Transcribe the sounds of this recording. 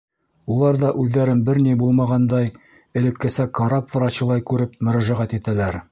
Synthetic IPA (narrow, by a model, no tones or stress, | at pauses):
ulˠɑɾðɑʔʉðːæɾɘmbɘɾnibulˠmɑʁɑnd̪ɑj | ɘ̆lɘ̆kːɘsækɑɾɑpvɤ̆ɾɑɕɤ̆lˠɑjkʉɾɘp̚mɵ̆ɾæʒæʁæt̪it̪ælæɾ